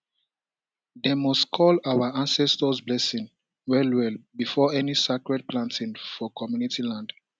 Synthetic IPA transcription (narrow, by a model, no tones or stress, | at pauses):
demɔstkʰɔlawaãnsɛstəzblɛsĩŋ | wɛlwɛlbifɔɛnisakɹɛd̚plãntʰĩnfɔkʰɔmjunitilãnd